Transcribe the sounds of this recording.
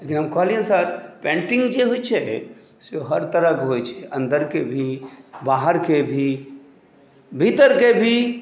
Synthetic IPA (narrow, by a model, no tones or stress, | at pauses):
lekinɦəmkɔɦliɦɛ̃səɾpẽɳʈɪ̃ŋɡd͡ʒeɦojt͡ʃʰɛ | seoɦəɾt̪əɾəkɦojt͡ʃʰɛʔə̃nd̪əɾkebʱibaɦəɾkebʱi | bʱit̪əɾkebʱi